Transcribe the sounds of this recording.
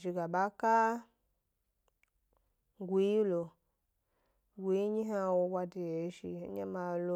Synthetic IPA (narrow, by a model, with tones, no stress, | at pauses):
ʒi˨ɡa˨ɓa˦ka˦ | ɡʷi˦i˦lo˨ | ɡʷi˧˦ɲi˦ɦa˧wo˧ba˧di˧e˨˦ʃḭ˧˦ɲa˦ma˧lo˧˦